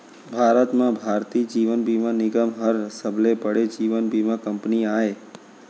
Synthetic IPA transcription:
bʱaɾət̪mãbʱaɾt̪iːd͡ʒiʋənbimãnɪɡəmɦəɾəsəblepəɽed͡ʒiʋənbʱimãkəmpniae

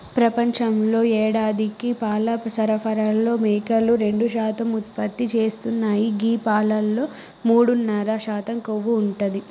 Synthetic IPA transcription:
pɾɐpɐɲt͡ʃɐmlo̞ːɛːɽaːd̪ikipaːlɐsɐɾɐpʰɐɾalːo̞ːmeːkɐlːuɾe̞ɳɖuʃaːt̪ɐmut̪̚pɐt̪ːit͡ʃe̞ːst̪unːaːjiɡiːpaːlɐlːo̞ː | muːɽunːɐɾɐʃaːt̪ɐmkoʋːuːɳʈud̪i

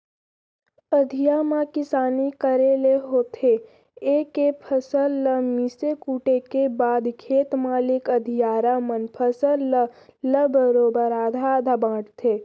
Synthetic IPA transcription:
əd̪ʱijaːmãkɪsaːnikəɾeːleɦoːt̪ʰe | eːkepʰəsəlːəmisekuːʈekebaːd̪kʰeːt̪maːlɪkəd̪ʱijaːɾamənpʰəsəlːələbəɾoːbəɾaːd̪ʱad̪ʱabãːʈʰt̪ʰeː

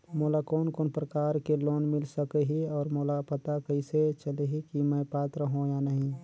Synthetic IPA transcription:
moːlakɔːnkoːnpɾəkaːɾkeloːnmɪlsəkeɦiɔːɾmoːlapət̪akəɪset͡ʃəleɦikiməpaːt̪ɾəɦõjanəɦĩ

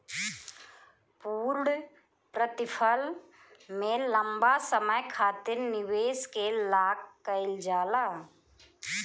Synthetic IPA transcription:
puːɾɽ | pɾət̪ɪpʰəl | mẽləmbasəməjkʰaːt̪ɪɾnɪʋeːskelaːkːəɪld͡ʒaːlaː

